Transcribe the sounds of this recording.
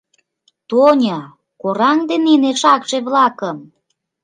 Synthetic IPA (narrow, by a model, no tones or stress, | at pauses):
t̪onʲə | koɾɑŋd̪eneneʃɑkʃeβlɑkəm